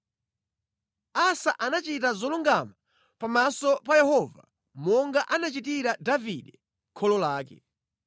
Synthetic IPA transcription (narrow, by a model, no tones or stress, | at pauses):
asaʔanat͡ʃitazɔluŋɡama | pamasɔpajɛhɔva̰ | mɔŋɡaʔanat͡ʃit̬iɾadaviɗɛ | kʰɔlɔlaːkɛ̰